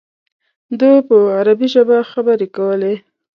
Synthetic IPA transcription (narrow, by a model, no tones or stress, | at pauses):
d̪əpəaɾabiʒəbaxabəɾekawəle